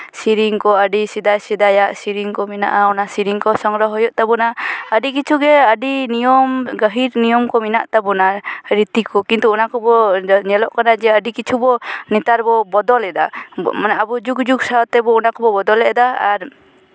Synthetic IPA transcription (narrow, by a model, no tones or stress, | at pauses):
siɾiŋkɔəɖisid̪ajsid̪ajaʔsiɾiŋkɔmina̰ʔaɔnasiɾiŋkɔsɔŋɾɔɦɔjɔʔt̪abɔnaəɖikit͡ʃʰuɡɛəɖinijɔmɡəɦiɾnijɔmkɔminaʔt̪abɔnaɾit̪ikɔkint̪uːnakɔbɔɲɛlɔʔkanad͡ʒɛəɖikit͡ʃʰubɔnit̪aɾbɔbɔd̪ɔlɛd̪amanaabud͡ʒukd͡ʒuk̚sat̪ɛbɔunakɔbɔbɔd̪ɔlɛʔd̪aːɾ